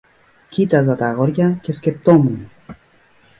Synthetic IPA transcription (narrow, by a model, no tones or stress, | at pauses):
cit̪ɐzɐt̪ɐɣo̞ɾʝɐce̞scept̪o̞mun